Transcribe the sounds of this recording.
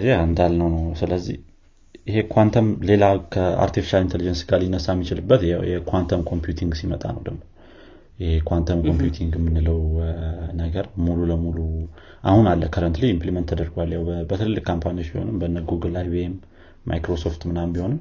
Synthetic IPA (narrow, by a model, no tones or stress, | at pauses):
zeand̪alnəwnəwsɨləzːḭh | ɪhe̞kʰwant̪ʰəmle̞lakʰəa̰ɾt̪ʰifi̥ʃalint̪ʰelid͡ʒənsɡalinːəsːamːit͡ʃɪlɨbːət̪jɛkʰwant̪ʰəmkʰo̞mpjut̪ʰiŋɡsimət̪ʼa̰nə̰wd̪əɡmo̞ | jɛhekʰwant̪ʰəmkʰo̞mpjut̪ʰiŋɡɨmːɨnːɨləw | nəɡəɾmululəmulu | ʔahunalːəkʰəɾənt̪lijimplimənt̪ʰːəd̪əɾɡwalːjawbət̪ʰɨlɨlːɨkkʰːampʰaniot͡ʃːbiho̞̰nɨmbənːəɡuɡɨlajβemː | a̰jkɾo̞soft̪mɨnambiho̞nɨm